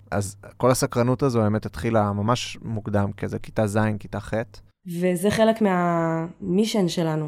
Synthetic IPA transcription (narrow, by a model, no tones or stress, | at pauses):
ʔa̰zko̞lasakʁanutazobemet̪hat̪χilamamaʃmuɡd̪amkezeki̥tazajnkitaχet | vezeχe̞lekmeamiʃenʃe̞lanu